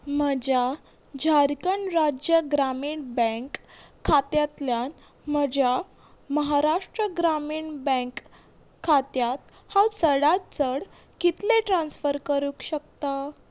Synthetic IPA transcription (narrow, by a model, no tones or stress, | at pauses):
məd͡ʑja | d͡ʑʱaɾkəɳɾad͡ʑjəɡɾamiːɳbə̃ŋkʰːat̪jat̪ljan | m̤əd͡ʑja | məɦaɾaʂʈɾəɡɾamiːɳbə̃kʰː | at̪jat̪ | hãwsəɽatt͡səɽ | kit̪leʈɾãnsfəɾkəɾukɕəkt̪a